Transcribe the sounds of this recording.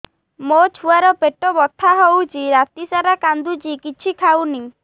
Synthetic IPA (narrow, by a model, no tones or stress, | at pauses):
mot͡ʃʰuaɾɔpeʈɔbɔt̪ʰːaɦowt͡ʃʰiɾat̪isaɾakand̪ud͡ʒikit͡ʃʰikʰawni